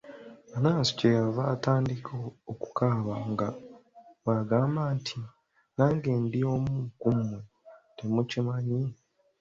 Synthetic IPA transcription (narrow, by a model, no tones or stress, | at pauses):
βanaːsi̥cejaβaːtaːndikʰooku̥kʰaːβaŋɡa | waɡaːmbaːntʰi | naːŋɡeːndio̞ːmukume | temucimaɲi